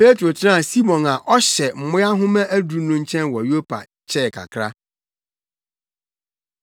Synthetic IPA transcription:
pe˦tʰɾo˨tʰɪ˦ã˦˨si˦mɔ̃˨na˨ʔɔ˦ɕɛ˨m̩˨mʊ̃˦ja˦ɦʊ̃˦mɛ̃˦ʔæ˦du˨nũ˦ɲ̩˦t͡ɕʰɛ̃˦nwɔ˨jo˦pʰa̰˨ | t͡ɕʰɛ˦˨kʰa̰˨kʰɾa˦

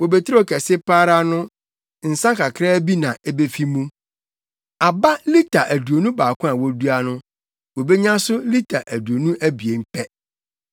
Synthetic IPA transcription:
wo˨be˨tʰi˦ɾɔ˦˨kʰɛ˨sɪ˦pʰaː˦ɾa˦nʊ̃˦ | n̩˨sã˦kʰa˨kʰɾa˦bi˦nã˨ʔɛ˦be˦fi˦mũ˦ | a˨ba˦li˦tʰa˨ʔæ˨du˨o˨nũ˦baː˨kʰʊ̃˦a˨wɔ˦du˦a˦nʊ̃˦ | wo˨be˦ɲã˦sʊ˦li˦tʰa˨ʔæ˨du˨o˨nũ˦ʔæ˦bi˨e˨m̩˦pʰɛ˦

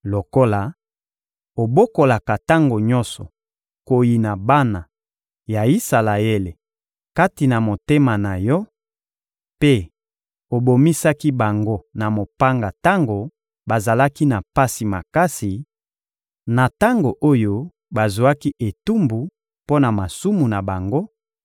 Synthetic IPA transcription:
lo˨ko˦la˨ | o˨bo˦ko˨la˨ka˨ta˦ŋɡo˨ɲɔ̃˦nsɔ˨ | ko˨ji˨na˨ba˦na˨ | ja˨i˦sa˨la˨je˦le˨ | ka˦ti˨na˨mo˨te˦ma˨na˨jɔ˦ | pe˦ | o˨bo˨mi˦sa˦ki˦ba˨ŋɡo˦na˨mo˨pa˦ŋɡa˨ta˦ŋɡo˨ | ba˨za˨la˦ki˦na˨pa˦si˨ma̰˨ka˦si˨ | na˨ta˦ŋɡo˨ʔo˦jo˦ | ba˨zu˨a˦ki˦ʔe˨tu˦mbu˨ | po˦na˨ma˨su˦mu˨na˨ba˨ŋɡo˦

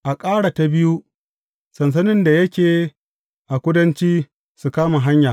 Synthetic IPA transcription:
ʔa˨kʼaː˦ɽa˨ta˨bɪ˦ju˦ | sɐ˨ns̬ɐ˦nɪ˦nda˨jɐ˦kʲeː˨ | ʔa˨kʷʊ˦dɐ˦nt͡ʃiː˦ | su˨kaː˦ma˨ɦa˦ɲjaː˨

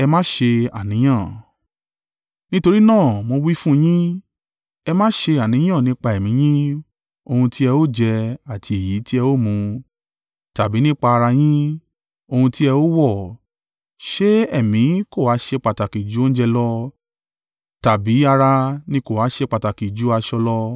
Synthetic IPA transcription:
ɛ˧mã˦ʃe˧a̰˨nĩ˨˦j̃ã˦˨ | nĩ˦to˧ɾi˦nãː˦˨mo˧wi˦fũ˦˧j̃ĩ˦ | ɛ˧mã˦ʃe˧a˨nĩ˨˦j̃ã˦˨nĩ˦k͡pa˧ɛ˨mĩ˨˦j̃ĩ˦ | o˧hũ˧ti˦ɛ˧o˦d͡ʒɛ˧a˨ti˧e˨ji˨˦ti˦ɛ˧o˦˨mũ˧ | ta˨bi˨˦nĩ˦k͡pa˧a˧ɾa˧j̃ĩ˦ | o˧hũ˧ti˦ɛ˧o˦wɔ˦˨ | ʃe˦ɛ˦˨mĩ˨˦ko˦˨wa˨˦ʃe˧k͡pa˨ta˨ki˨d͡ʒu˨˦o˦n̩˦d͡ʒɛ˧lɔ˦ | ta˨bi˨˦a˧ɾa˧nĩ˦ko˦˨a˨˦ʃe˧k͡pa˨ta˨ki˨d͡ʒu˨˦a˧ʃɔ˧lɔ˦

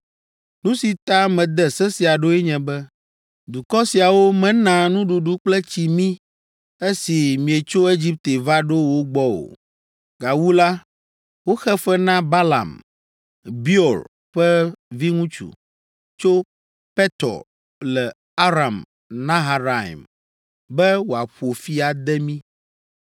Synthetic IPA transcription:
nũ˦si˨t̪a˦mɛ̃˨d̪ɛ˦sɛ˦si˨a˨ɖo˦ɛ˦ɲɛ̃˨bɛ˦ | d̪u˨kɔ˦si˨a˨wo˦mɛ̃˨˦nã˨nũ˦ɖu˨ɖu˦k͡plɛ˦t͡ɕi˨mĩ˦ | e˦si˨mĩ˨e˨t͡ʃo˦e˦d͡ʑi˦p̚t̪e˨va˦ɖo˦wo˦ɡ͡bɔ˦o̰˨ | ɡa˨wu˦la˦ | wo˦xɛ˦ɸɛ˦nã˦ba˦la̰˨m | bi˦ɔ˨l | ɸɛ˦vi˦ŋũ˦t͡ʃṵ˨ | t͡ʃo˦ | pɛ˦t̪ɔ̰˨ | lɛ˨ | a˦ɾa˨m | nã˦ɦa˨ɾa˨ḭ˨m | bɛ˦wo˨a˨ɸu˨o˨fi˦a˨d̪ɛ˦mĩ˦

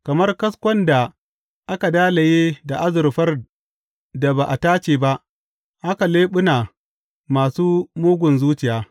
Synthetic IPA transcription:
kɐ˨mɐ˦rkɐ˦skʷɐ˦nda˨ | ʔa˦ka˨daː˦la˨jeː˦da˨ʔa˦zʊ˨ɾɸɐ˦r | da˨ba˨ʔa˨taː˦t͡ʃeː˨ba˦ʔ | ʔa˦ka˨leː˦ɓʊ˦na˨ | maː˨suː˦moː˦ɡʷʊ˨nzuː˦t͡ʃɪ˨jaː˨

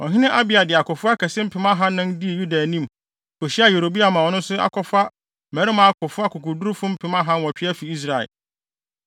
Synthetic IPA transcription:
ɔ̰˨ɦɪ̃˦nɪ̃˦ʔa˦bɪ˨a˨dɪ˨a˨kʊ˨fʊ˦a˦kʰɛ˨sɪ̃˦m̩˦pʰɪ˨mã˦ɦã˦nʊ̃˦ndi˦e˨ju˦da˨nĩ˦˨m˨ | kʰɔ˨ɕi˦a˦je˨ɾo˨bi˦a˨mã˨ɔ˨nʊ̃˦nsʊ˦a̰˨kʰɔ˨fa˦ | mɛ̃˨˦ɾɪ˦mã˨˦a˦kʊ˨fʊ˦a˦kʰʊ˨kʊ˨du˦ɾfʊ̃˦m̩˦pʰɪ˨mã˦ɦã˦n˦wɔ˨t͡ɕᶣɪ˦æ˦fi˨i˦s̬ɾa˨ɛ̰˨l

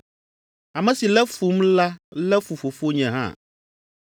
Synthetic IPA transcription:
a˨mɛ̃˨si˨lɛ˦fu˨˦mla˦lɛ˦fu˨fo˨fo˦ɲɛ̃˨ɦã̰˦˨

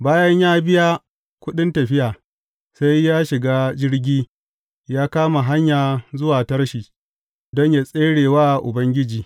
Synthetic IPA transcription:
baː˦jɐ˦ɲjaː˦bɪ˦jaː˦ | kʷʊ˦ɗɪ˦ntɐ˨ɸɪ˦jaː˨ | sa˦jːaː˦ʃɪ˨ɡaː˦d͡ʒɪ˦rɡʲiː˦ | jaː˦kaː˦ma˨ɦa˦ɲjaː˨zʊ˦waː˨tɐ˦rʃiː˨ | dɔ˦ɲja˨sʼeː˦ɽeː˨waː˦˨ʔʊ̰˨bɐ˦ŋɡʲɪ˦d͡ʒiː˨

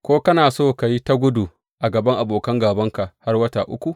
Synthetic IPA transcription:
kʷoː˦kɐ˦naː˨soː˦˨ka˨ji˦ta˦ɡʷʊ˦du˨ | ʔa˨ɡɐ˨bɐ˦ŋʔa˨boː˨kɐ˦ŋɡaː˨bɐ˦ŋka˨ha˦rwɐ˦taː˨ʔʊ̰˦kʷu˨ʔ

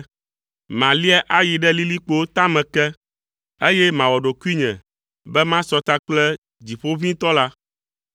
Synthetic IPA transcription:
mã˨li˦ɛ˦ʔa˦ji˨ɖɛ˦li˦li˦k͡po˦t̪a˦mɛ̃˨kɛ˦ | e˦jɛ˦mã˨wɔ˨ɖo˨ki˦ɲɛ̃˨ | bɛ˦mã˦sɔ˦t̪a˦k͡plɛ˦ | d͡ʑi˨ɸo˦vĩ˦t̪ɔ˦la˦

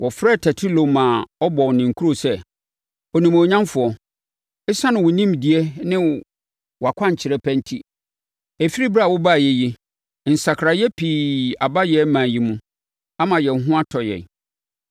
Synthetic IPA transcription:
wɔ˨fɾɛ˦˨tʰɛ˨tʰi˦lo˨mã˨ɔ˦bɔ˨wnɪ̃˨ŋ˨kʰu˦ɾo˨sɛ˦ | ɔ˨nĩ˨mo˨ɲã˦mfʊ˨˦ɔ˨ | ɪ˦sã˦nʊ̃˨wʊ˨nĩ˦mdi˨ɛ˦nɪ̃˦ | wɔ˨a˨kʷʰã˦ɲ˨t͡ɕʰɪ˨ɾɛ˦pʰɛ̃˦n˦tʰi˦ | æ˨fi˦ɾi˦ba˦˨wʊ˦ba˦˨jɛ˨ji˦ | n̩˨sa˨kʰɾa˨jɛ˦pʰiː˨a˨ba˦jɛ˦mã˨ji˨mũ˦ | a˦mã˨jɛ˨n˦ɦʊ̃˦a˦tʰɔ˨jɛ̰˨

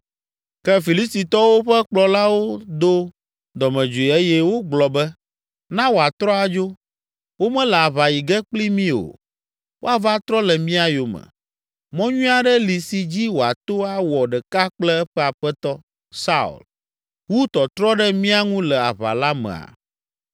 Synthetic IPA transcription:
kɛ˦fi˨li˦st̪i˨t̪ɔ˦wo˦ɸɛ˦k͡plɔ˨la˦wo˦d̪o˦ | d̪ɔ˨mɛ̃˨d͡ʒu˨i˨e˦jɛ˦wo˦ɡ͡blɔ˨bɛ˦ | nã˦wo˨a˨t̪ɾɔ˦a˨d͡ʒo˦ | wo˦mɛ̃˦lɛ˨a˨βa˨ji˨ɡɛ˦k͡pli˦mĩ˦o̰˨ | wo˦a˨va˦t̪ɾɔ˦lɛ˨mĩ˦a˨jo˨mɛ̰˨ | mɔ̃˦ɲũ˦a˦˨ɖɛ˦li˨si˨d͡ʑi˦wo˨a̰˨t̪o˦a˦wɔ˨ɖɛ˨ka˦k͡plɛ˦ɛ˦ɸɛ˦a˨ɸɛ˦t̪ɔ˦ | sa˦ṵ˨l | wu˦t̪ɔ˨t̪ɾɔ˦ɖɛ˦mĩ˦a˦ŋũ˦lɛ˨a˨βa̰˨la˦mɛ̰̃˨a̰˨

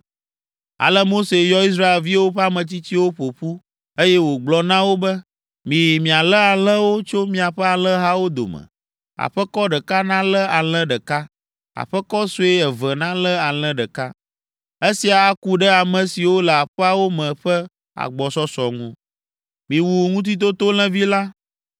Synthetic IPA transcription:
a̰˨lɛ˦mo˦se˨jɔ˦i˦s̬ɾa˦e˨lvi˦wo˦ɸɛ˦a˦mɛ̃˨t̪i˦t͡ɕ̪i˦wo˦ɸo˨ɸu˦ | e˦jɛ˦wo˨ɡ͡blɔ˨nã˦wo˦bɛ˦ | mĩ˨ji˨mĩ˨a˨lə˦a˨lə̃˦wo˦t͡ʃo˦mĩ˦a˨ɸɛ˦a˨lə̃˦ɦa˦wo˦d̪o̰˨mə̰̃˨ | a̰˨ɸɛ˦kɔ˦ɖɛ˨ka˦nã˦lə˦a˨l̃ɛ̃˦ɖə˨ka˦ | a̰˨ɸɛ˦kɔ˦su˦e˦ɛ˨və˨nã˦lɛ˦a˨l̃ɛ̃˦ɖɛ˨ka˦ | e˦si˨a˨a˦ku˦ɖɛ˦a˨mɛ̃˨si˨wo˦lə˨a˨ɸɛ˦a˦wo˦mɛ̃˨ɸɛ˦ | a̰˨ɡ͡bɔ˨sɔ˦sɔ˨ŋũ˦ | mĩ˨wu˨ŋũ˦t̪̬i˦t̪̬o˦t̪o˦l̃ɛ̃˦vi˦la˦

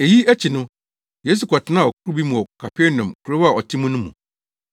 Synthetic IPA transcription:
e˨ji˦æ˦t͡ɕʰi˨nʊ̃˦ | jeː˦s̬u˨kʰɔ˨tʰɪ˨˦nã˦˨ɔ˨kʰʊ˦ɾu˦bi˦mũ˨ɔ˨kʰa˨pʰɛ˦nã˨mkʰu˨ɾe˦a˨ɔ˨tʰɪ̃˦mũ˦nʊ̃˦mṵ̃˨

